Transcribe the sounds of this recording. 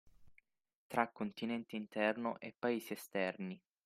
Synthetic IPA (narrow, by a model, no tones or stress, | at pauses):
t̪ɾakːont̪inɛnt̪eint̪ɛrnoʔepːaeːsiest̪ɛrni